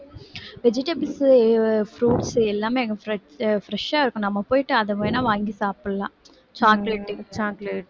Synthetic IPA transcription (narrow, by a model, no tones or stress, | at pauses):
ʋed͡ʒiʈɐbls | fɾuːʈsɛlːaːmeːɡɐɾ | fɾɐʂaːɪɾɯkːũnɐmːɐpoːjiʈːɨɐðɐpoːjinaːʋaːŋɡisaːpɯɭla̰ː | t͡ʃaːkleʈːt͡ʃaːkleʈ